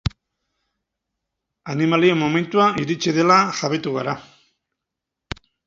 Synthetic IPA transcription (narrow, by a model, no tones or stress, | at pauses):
animalie̞mːo̞me̞nt̪uaiɾit͡ʃiðe̞laʝaβe̞t̪uɣaɾa